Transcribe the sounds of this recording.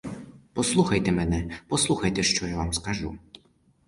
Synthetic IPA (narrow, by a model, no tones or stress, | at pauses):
pɔslˠuxɐjt̪ɛmɛnɛpɔslˠuxɐjt̪ɛʃt͡ʃɔjaʋamskɐʒṵ